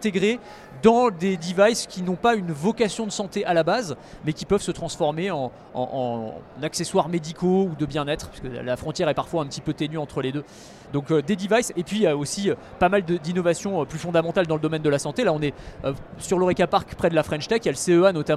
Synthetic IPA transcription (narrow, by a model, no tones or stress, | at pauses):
ɛ̃t̪eɡʁe | d̪ɑ̃d̪ed̪ivajskʲinɔ̃paynvɔkasjɔ̃d̪əsɑ̃t̪eʔalabazmɛkʲipœvsət̪χɑ̃sfɔʁmeɑ̃ | ɑ̰̃ʔɑ̰̃nakseswaʁmed̪ikʰoud̪əbjɛ̃nɛt̪χəpi̥skə̰lafχɔ̃t̪jɛʁɛpaʁfwaɛ̃pət̪ipøt̪enyɑ̃t̪χəled̪ø | d̪ɔ̃kød̪ed̪ivajsepɥijaosiø | pamald̪əd̪inɔvasjɔ̃øplyfɔ̃d̪amɑ̃t̪ald̪ɑ̃ləd̪ɔmɛnd̪əlasɑ̃t̪elaɔ̃nɛøsyʁloʁekapaʁkpχɛd̪əlafχɛ̃nʃt̪ɛkjaləseøanɔt̪a